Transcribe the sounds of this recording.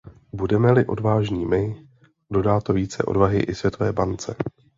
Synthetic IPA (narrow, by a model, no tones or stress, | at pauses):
budɛmɛlɪʔo̞̰dvaːʒɲiːmɪ | do̞daːt̪oviːt͡sɛ̰ʔo̞̰dvaɦɪʔɪsvjɛt̪ovɛːbant͡sɛ